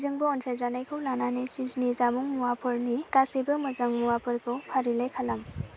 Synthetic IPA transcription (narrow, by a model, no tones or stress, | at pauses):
zɯŋbɯɔnsʰajzanajkʰɯwlananesiznizamuŋmuwapʰɯɾnikasibɯmɯzaŋmuwapʰɯɾkʰɯwpʰaɾilajkʰalam